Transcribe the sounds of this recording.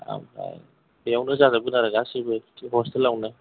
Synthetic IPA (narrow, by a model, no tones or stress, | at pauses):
a̰ma̰j | jawnɯzazabɯnaɾaɡasibɯiɦɔstelawnɯ